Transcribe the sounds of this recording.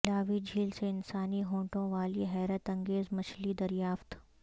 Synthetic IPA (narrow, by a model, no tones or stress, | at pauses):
laːʋid͡ʒʱiːlseɪnsaːniɦõːʈõʋaːliɦɛːɾət̪ɐ̃ŋɡeːzmɐt͡ʃlid̪ɐɾjaːft̪